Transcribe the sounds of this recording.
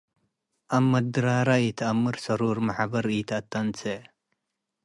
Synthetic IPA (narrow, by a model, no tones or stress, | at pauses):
ɐmːɐd̪ɾaːɾait̪ʰamːɨɾsɐɾuːɾmɐħabɐɾiːt̪at̪ːɐnt͡se